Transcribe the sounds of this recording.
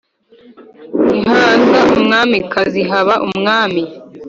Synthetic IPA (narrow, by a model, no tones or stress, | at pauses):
iɦaːnzɡaumŋaːmikaziɦaβaʔumŋaːmi